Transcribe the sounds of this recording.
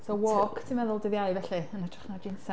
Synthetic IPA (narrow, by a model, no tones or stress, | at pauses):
sɔwɔkʰtʰimɛðʊlˠdəðjaɨvɛɬɨənatʰrḁχnad͡ʒinsa